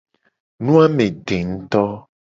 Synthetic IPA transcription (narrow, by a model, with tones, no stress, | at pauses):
nũ˦a˦mẽ˨ɖe˨ŋ̩̃˦t̪ɔ˦